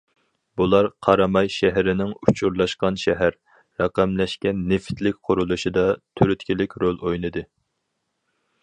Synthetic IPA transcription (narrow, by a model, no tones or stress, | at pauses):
bulˠɑɾqʰɑɾɑmɑjʃɛɦɾɪnɪŋut͡ʃʰuɾlˠɑʃqɑnʃɛɦæɾː | ɑqæmlɛʃkʲɛnːɪft̪lɪkʲqʰʊɾulˠuʃid̪ɑt̪ʰyɾyt̪kʲʰilɪkʲɾolˠojnɨd̪ɨ